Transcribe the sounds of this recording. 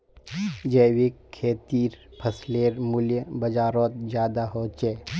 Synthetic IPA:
d͡ʒəːwikʰːeːt̪iːɾpʰəsleːɾmʊljəbəd͡ʒaːɾoːt̪̚zjaːd̪aɦoːt͡ʃeː

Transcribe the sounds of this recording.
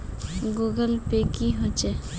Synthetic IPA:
ɡuːɡəlpekiɦot͡ʃe

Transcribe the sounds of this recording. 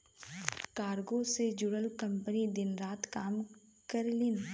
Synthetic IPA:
kaːɾɡõsed͡ʒʊɽəlkɐ̃mpənid̪ɪnɾaːt̪kaːm | kəɾlɪn

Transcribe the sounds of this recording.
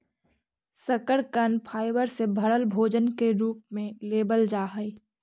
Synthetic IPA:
səkəɽkənpʰaːɪʋəɾsebʱəɽəlbʱoːd͡ʒənkeɾuːp̚mẽleːbəld͡ʒaːɦəi

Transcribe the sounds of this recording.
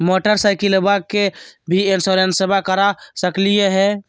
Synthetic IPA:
moʈəɾsaɪjkilebakebʱiensoɾensəbʱakəɾasəklijeɦɛ

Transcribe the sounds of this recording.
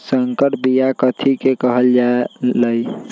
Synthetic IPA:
səŋkəʈbijakət̪ʰikekəɦəld͡ʒaləi

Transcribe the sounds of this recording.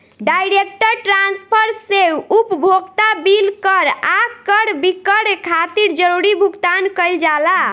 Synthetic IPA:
ɖajɾek̚ʈəɾʈɾanspʰəɾseupbʱoɡt̪abilkəɾakkːəɾbikəɽekʰat̪iɾd͡ʒəɾuɾibʱuɡt̪ankəɪld͡ʒala

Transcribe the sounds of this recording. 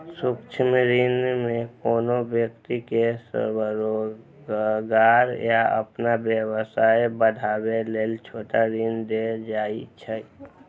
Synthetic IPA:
sʊkt͡ʃʰmɾinmẽkoːnobjəkt̪ikesə̰ɾbəɾo | ɡaːɾjaə̰pnabjəwəsaːebəd̪ʱaːweleːlt͡ʃʰoːʈaɾind̪ed͡ʒaːit͡ʃʰə

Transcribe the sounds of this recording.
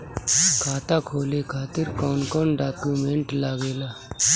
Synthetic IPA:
kʰaːt̪aːkʰoːlekʰaːt̪ɪɾkɔːnkɔːnɖaːkuːmẽːɳʈlaːɡeːlaː

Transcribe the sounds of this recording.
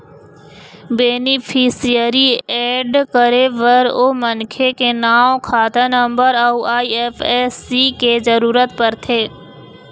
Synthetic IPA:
beːnɪpʰisijəɾiɛːɖkəɾeʋəɾoːmənkʰekenaːwkʰaːt̪anə̃mbəɾauaːiɛfɛːsːikezəɾuːɾət̪pəɾt̪ʰeː

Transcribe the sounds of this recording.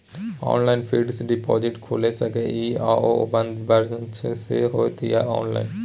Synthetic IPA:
ɔ̰nlajnfiɖsiɖipɔd͡ʑiʈkʰolesakeʔiaooband̪baɾt͡ʃʰeseɦoet̪ijaʔɔ̰nla̰jn

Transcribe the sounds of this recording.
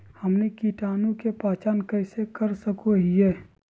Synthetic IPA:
hɐmnekiːʈaːnõkepaːt͡ʃaːnkəɪsekɐɾsəkoɦieː

